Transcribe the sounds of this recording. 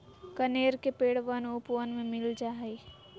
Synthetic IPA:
kəneːɾkepeːɽʋənupʋənmẽmɪld͡ʒaːɦi

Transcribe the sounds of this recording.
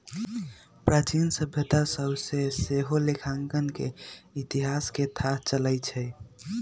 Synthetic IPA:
pɾat͡ʃinsəbʱet̪asəbseseɦolekʰãŋkənkḛit̪iɦasket̪ʰat͡ʃələjt͡ʃʰɛ

